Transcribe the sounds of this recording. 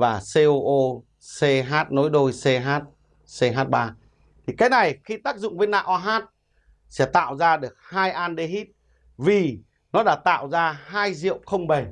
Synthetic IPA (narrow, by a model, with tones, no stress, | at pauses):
vaː˨˩se˧ʔo˧ʔo˧ | se˧ɦaː˦˥t̚no˨˦jɗo˧jse˧ɦaː˦˥t̚ | se˧ɦaː˦˥t̚ɓaː˧ | t̪ʰi˨˩kaː˨˦jna˨˩jxi˧t̪aː˦˥k̚zʊ̰˧˨ŋ͡mvə˨˦jna̰ː˧˨ʔaː˧ɦaː˦˥t̚ | sɛ̰˧˥t̪a̰ː˧˨wzaː˧ɗɨ˨˩ək̚haː˧jʔaː˧nɗe˧ɦi˦˥t̚ | vi˨˩ | nɔ˨˦ɗaː˧˩t̪a̰ː˧˨wzaː˧ɦaː˧jzḭ˧˨əwxə˧wŋ͡mɓə˨˩j